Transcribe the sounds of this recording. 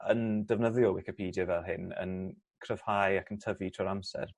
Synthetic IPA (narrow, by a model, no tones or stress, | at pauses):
əndəvnəðjɔwɪkɪpʰiːdjəvɛlˠɦɪnə̰n | kʰrəv̥hajakʰəntʰəvitʰrɔɾamsɛ̰r